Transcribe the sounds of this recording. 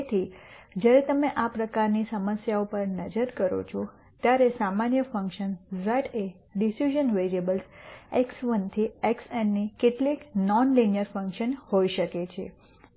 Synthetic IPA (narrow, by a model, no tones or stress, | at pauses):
t̪ʰid͡ʒjaɾet̪əmeʔapɾəkaɾnisəməsjaupəɾnəd͡ʒəɾkəɾo̰t͡ʃʰɔ | t̪jaɾesamanjəfə̃ŋkʃənzəʈe | ɖisuʒənʋeɾiəbəlseksʋənt̪ʰieksɛnːikeʈliknɔnlinijəɾfə̃ŋkʃənhoiʃəket͡ʃʰḛ